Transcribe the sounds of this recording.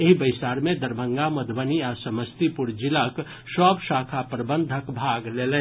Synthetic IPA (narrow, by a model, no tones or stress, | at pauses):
eɦibəɪsaɾmed̪əɾbʱəŋɡaməd̪ʱbəniasəməst̪ipuɾd͡ʒilak | səbsakʰapɾəbənd̪ʱəkbʱaɡlelɛ